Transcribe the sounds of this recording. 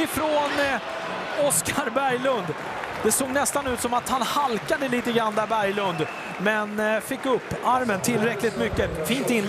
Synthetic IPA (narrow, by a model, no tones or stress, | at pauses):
ɪfɾɔn | ɔskʰaɾbæɾjlɵnd̪ | d̪̥ɛsoːɡnɛst̪anʉ̟ːt̪sɔmat̪hanhalkad̪əliːt̪əɡɾanːd̪æɾbæɾjlɵnd̪ | mɛnfɪkːɵpːaɾmənt̪ʰɪlːɾɛklɪt̪mʏkːəfiːnt̪ɪn